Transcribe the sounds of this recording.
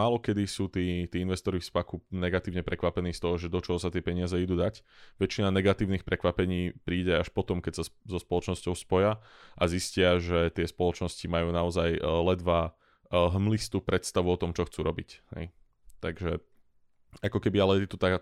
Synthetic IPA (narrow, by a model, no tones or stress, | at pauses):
aːlɔkɛd̪isuːt̪iːt̪iːinʋɛst̪ɔɾifspakunɛɡat̪iːʊɲɛpɾʔɛkʋapɛniːst̪ɔɦɔʒɛd̪ɔt͡ʃɔɦɔsat̪ɪɛpɛɲɪazɛid̪uːd̪acʋɛt͡ʃinanɛɡat̪iːʊnixpɾɛkʋapɛɲiːpɾiːɟɛaʃpɔt̪ɔmkɛcsazɔspɔlɔt͡ʃnɔscɔʊspɔja | ʔaziscɪaʒɛt̪ɪɛspɔlɔt͡ʃnɔscimajuːnaɔzajlɛd̪ʋa | ɦmlist̪uːpɾɛt̪st̪aʋuɔt̪ɔmt͡ʃɔxt͡suːɾɔbichɛ̰j | t̪aɡʒɛ | akɔkɛbialɛɛɛt̪ut̪aɡ